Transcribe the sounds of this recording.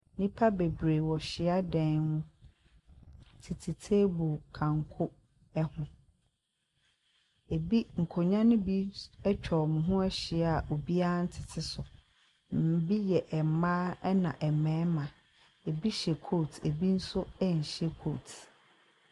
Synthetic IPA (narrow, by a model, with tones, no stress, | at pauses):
nĩ˦pʰa˦be˨bɾeː˨wɔ˨ɕɪ˨a˦dɛ̃˦nnʊ̃˦ | tʰi˨tʰi˨tʰe˦bo˨kʰã˨ŋkʰʊ˦ | ɛ˦hʊ̃˨ | e˨bi˦ŋ̩˨kʰo˨ɲã˦nʊ̃˦bi˦ɛ˦t͡ɕᶣʰɔ˨mʊ̃˨ɦʊ̃˦ɛ˦ɕɪ˨˦a˨ʔo˨bi˦a˦n̩˦tʰɪ˨tʰɪ˨sʊ˨ | m̩˨bi˦jɛ˨ʔɛ˨mã˦ɛ˦nã˨ʔɛ˨mɛ̃˨˦mã˨ | e˨bi˦ɕɛ˨kʰo˦˨tʰḛ˨bi˦n̩˦sʊ˦ɛ˦ɲ̩˨ɕɛ˦kʰo˦˨tʰ